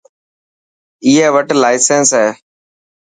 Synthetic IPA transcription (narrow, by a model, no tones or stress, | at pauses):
iːeːʋəʈlaːɪseːnsɦɛː